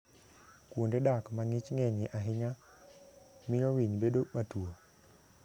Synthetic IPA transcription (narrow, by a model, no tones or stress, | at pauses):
kwondedakmaŋɪt͡ʃŋɛɲɪʔaɦɪɲa | mɪjɔwiɲbedomatuo